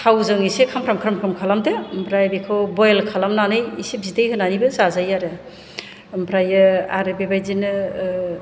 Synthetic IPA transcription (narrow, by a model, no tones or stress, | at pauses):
tʰawzɯŋisekʰamkʰɾamkʰɾamkʰɾɯmkʰalamdembʰɾajbekʰɯbɔjlkʰalamnanɯjisep̚zidejhɯnanibɯzazajaɾɯ | mpʰɾajɯa̰ɾɯbebajzinɯ